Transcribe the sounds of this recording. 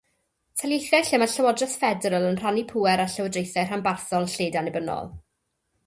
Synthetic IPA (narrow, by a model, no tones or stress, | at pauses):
tʰaljejθjaɬɪmaɬəwɔdrɛθfɛdɛɾəlˠənr̥anipʰuːɛɾaɬəwədrejθɛr̥hambarθɔlˠɬeːdanɪbənɔ̰lˠ